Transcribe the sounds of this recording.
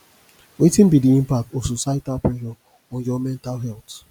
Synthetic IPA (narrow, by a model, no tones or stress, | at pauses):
wetĩnbidiĩmpak̚tɔsosatapɹɛʃɔ | ɔ̃nd͡ʒɔmɛ̃ntalɦɛlt